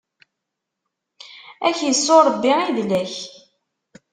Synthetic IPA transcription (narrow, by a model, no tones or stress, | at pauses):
æçjəsːoɾˤəbːiiðlæç